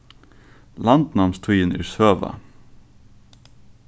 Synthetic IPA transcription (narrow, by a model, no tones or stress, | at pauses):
lɑnd̪nɑmst̪ʰujənɪ̰ːɹsøːʋɑ̰